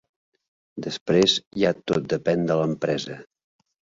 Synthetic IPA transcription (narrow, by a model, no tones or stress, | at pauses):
d̪əspɾezjat̪ot̪̚d̪əpɛnd̪ələmpɾɛzə